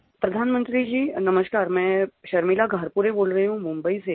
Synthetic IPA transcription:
pɾɐd̪ʱaːnmə̃nt̪ɾid͡ʑiːnəməʃkaːɾmɛ̃ʃɐɾmilaɡʱəɾpuɾeboːlɾəɦɦũmũmbəise

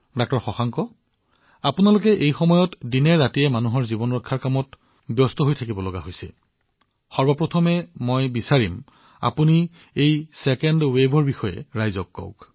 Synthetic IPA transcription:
dɔk̚tɔɹxɔxaŋkɔ | apunalʊkɛʔejxɔmɔjɔtdinɛɹzatiɛmanuɦɔɹzibɔnɹɔtkʰːaɹkamɔt | bjɔstɔɦojtʰakibɔlɔɡaɦojsɛ̰ | xɔɹbapɹɔtʰɔmɛmojbisaɹim | a̰puni | ejsɛkɛndwebʱɔɹbixɔjɛ̰ɹajzɔkːɔ̰ʊk

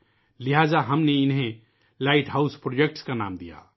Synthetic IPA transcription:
liɦad͡ʒaɦəmneɪnɦẽ | laɪʈɦaʊspɾod͡ʒek̚ʈskana̰ːmd̪ḭja̰

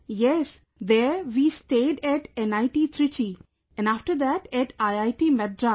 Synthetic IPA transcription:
jɛs | d̪ɛɾʋiːsʈeːɖæʈɛ̃naɪʈit̪ʰɾit͡ʃi | ɛ̃nafʈəɾd̪æʈɛʈaɪaɪʈimɛd̪̚ɾa

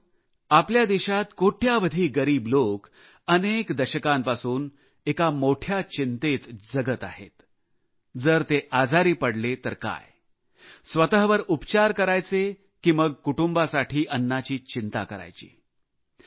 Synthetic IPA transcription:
apljad̪iɕat̪koʈʰjaʋəd̪ʱiːɡəɾiːblok | ənekd̪əɕəkampasuːn | ekamoʈʰjat͡ɕint̪et͡s̪d͡zəɡət̪a̰ɦḛt̪ | d͡zəɾt̪eʔad͡zʱaɾiːpəɽlet̪əɾka̰j | sʋət̪əɦʋəɾupt͡ɕaɾkəɾajt͡se | kimʋəɡ̚kuʈumbasaʈʰiːʔənːat͡ɕiːt͡ɕint̪akəɾa̰jt͡ɕḭː

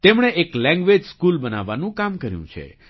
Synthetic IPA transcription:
t̪emɳ̃eʔeklɛ̃ŋɡʋed͡ʒskulbənaʋːanũkamkəɾjṵ̃t͡ʃʰḛ

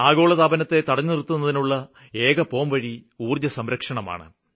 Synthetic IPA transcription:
aːɡo̞ːɭɐt̪aːbɐnɐt̪ːe̞t̪ɐɽɐɲːɨnirt̪ːunːɐðinuɭːɐ | e̞ːɡɐpo̞ːmʋɐɻiuːrjɐsɐmɾɐkʂɐɳɐma̰ːɳɨ̰

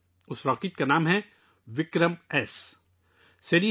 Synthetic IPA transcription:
ʊsɾaːkit̪̚kanaːmɦɛ | ʋɪkɾəmɛːs | sɐɾiː

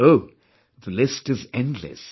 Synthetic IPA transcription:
oʊ | ðəlɪstɨzɛ̃ndˡlɨ̰s

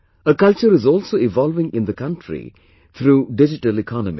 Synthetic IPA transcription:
əkʌlt͡ʃəɾɪzɔːlsoːɪʋɔlʋɪ̃ŋɪ̃nd̪əkʌ̃nʈʰɾḭ | t̪ʰɾuːɖɪd͡ʒɪʈəlikʰɑnəmi

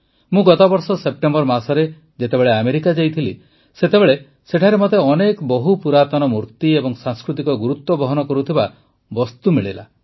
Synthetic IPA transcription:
mũɡɔt̪ɔbɔɾsɔsep̚ʈembɔɾmasɔɾe | d͡ʒet̪ebeɭeameɾikad͡ʒajt̪ʰili | set̪ebeɭe | seʈʰaɾemot̪eɔnekɔbɔɦupuɾat̪ɔnɔmuɾt̪iebɔŋsãŋskɾut̪ikɔɡuɾut̪wɔbɔɦɔnɔkɔɾut̪ʰiba | bɔst̪umiɭila̰

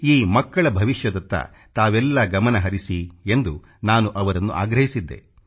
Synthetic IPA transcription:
iːmɐkːɐɭɐbʱɐʋiʂjɐd̪ɐt̪ːɐ̰ | t̪aːʋɛlːɐɡɐmɐnɐɦɐɾisie̞nd̪u | naːnuʔɐʋɐɾɐnːṵʔa̰ːɡɾɐɦisid̪ːe̞̰

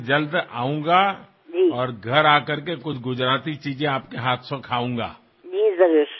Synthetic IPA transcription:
d͡ʒɐld̪a̰ːũŋɡa | d͡ʒiːɔːɾɡʱɐɾaːkɐɾkekʊt͡ʃʰɡʊd͡ʒɾaːt̪it͡ʃiːd͡ʒẽaːpkeɦaːt̪ʰsõkʰaːũːŋɡa̰ː | d͡ʒiːzəɡeːʃ

